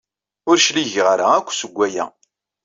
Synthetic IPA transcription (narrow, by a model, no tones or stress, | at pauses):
ʊɾʃliʝʁɾa̰ækʷːsəɡʷːæjæ̰